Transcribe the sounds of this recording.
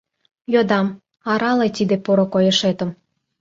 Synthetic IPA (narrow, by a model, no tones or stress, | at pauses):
jod̪ɑm | ɑɾɑlet̪id̪epoɾokojɤ̆ʃet̪ə̆m